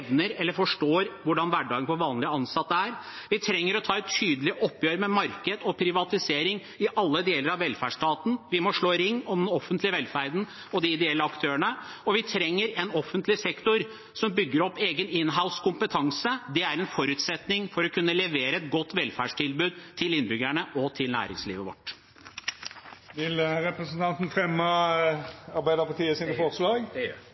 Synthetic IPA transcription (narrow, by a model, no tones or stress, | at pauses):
ʋnəɾɛlːəɾfɔʂʈoːɾʋʊɖɑnʋæɖɑːɡənfɔʋɑːnlɪəɑnsɑt̪ːəæɾʋɪt̪ʰɾɛŋːəɾɔt̪ʰɑːɛt̪ʰyːd̪əlɪʔɔpːjøːɾəmɛmɑɾkəd̪ɔpʰɾɪʋɑt̪ɪseːɾɪŋ | ɪʔɑlːəd̪eːləɾɑʋɛlfæːʂʈɑːt̪n̩ʋɪmɔʂɭoːɾɪŋːɔmd̪ɛnɔfːənt̪lɪəʋɛlfæɾd̪n̩ | ɔd̪ɪɪd̪ɛɛlːəɑkt̪ʰøːəɳə | ɔʋɪt̪ʰɾɛŋːəɾɛnɔfːənt̪lɪsɛkt̪ʊɾ | sɔmbʏɡːəɾɔpːeːɡənɪnɦaʊskʊmpət̪ʰɑŋsəd̪ɛæɾɛnfɔɾʉːt̪sɛt̪nɪŋfɔɾɔkʰʉnːəlɛʋeːɾəɛt̪̚ɡɔt̪ːʋɛlfæɖʂʈʰɪlbʉːd̪t̪ʰɪlɪnːbʏɡæɳəʔɔt̪ʰɪlnæ̰ːɾɪ̰ŋsliːʋəʋɔ̰ʈː | ʋɪlɾɛpɾəsənt̪ʰɑnt̪n̩fʁɛmːɑ | ɑʁbæɪd̪əpɑʁt̪ʰiːəsiːnəfɔʁslɑːɡ